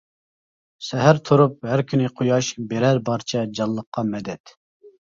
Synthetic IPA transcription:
sɛɦæɾt̪ʰuɾup̚hæɾkʲʰynɪqʰojɑʃbeɾæɾbɑɾt͡ʃʰɛd͡ʒɑlˠːəqːɑmɛd̪ɛt̪

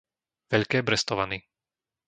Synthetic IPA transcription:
ʋɛʎkɛːbɾɛst̪ɔʋaniː

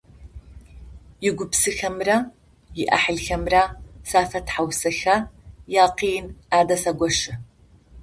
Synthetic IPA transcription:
jɪɡʷʊpsɨxɐmrɐ | jɪʔɐ̰ħəɮxɐmrɐsaːfɐtħawsɐxɐjaːqiːnaːdɐsɐɡʷɔʃɪ

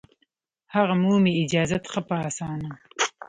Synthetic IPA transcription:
haɣamumeɪd͡ʒɑːzat̪xapaːsɑːna

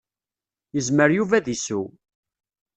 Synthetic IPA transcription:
jəzməɾjuvæðisu

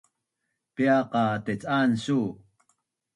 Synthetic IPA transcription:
piaqɑt̪et͡sʼansu

